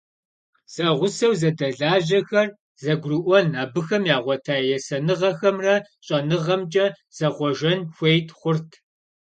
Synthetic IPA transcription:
z̥ɐʁʷʊsɐwzɐdɐɮaːʑɐxɐr | zɐɡʷrɨʔʷɔnaːbɨxɐmjaːʁʷɔtʰaːjɛsɐnɨʁɐxɐmrɐɕʼɐnɨʁɐmt͡ʃʼɐ | z̥ɐʁʷɔʒɐnxʷejtʰχʷʊrtʰ

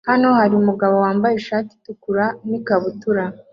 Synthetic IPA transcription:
hano̞haɾiumuɡaβo̞waːmbajeʃaːti̥tukuɾanikaβutuɾa

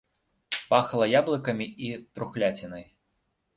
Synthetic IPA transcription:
paxlˠɐjablˠɨkɐmʲiit̪ɾuxlʲat͡sʲinɐj

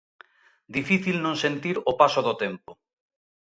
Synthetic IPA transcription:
d̪ifiθilnõŋsent̪iɾopasoðot̪empo

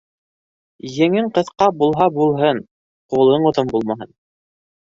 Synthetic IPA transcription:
jɘ̆ŋɘɴqɤ̆θqɑbulˠɦɑbulˠɦɤn | qulˠɤɴŏt̪ɤmbulˠmɑɦɤn

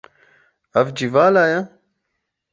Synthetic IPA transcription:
ɐvd͡ʑivaːlaːja

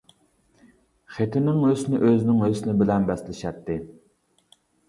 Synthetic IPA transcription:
χet̪ʰɪnɪŋøsnɪʔøzɪnɪŋøzsɪnɪbɪlɛnbɛslɪʃɛt̪ːɪ

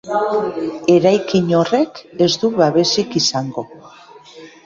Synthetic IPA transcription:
e̞ɾajkiɲo̞re̞ke̞zd̪uβaβe̞sikisaŋɡo̞

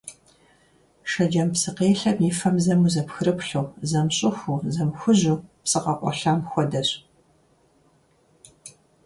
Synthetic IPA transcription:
ʃɐd͡ʒɐmpsɨqeːɬɐbniːfɐmzɐmuːzɐpxɨrɨpɬuːzɐmɕʼɨxʷuːzɐmxʷʊʑuːpsɨqɐʔʷʼɔ̰ɬɐmxʷɔdɐɕ

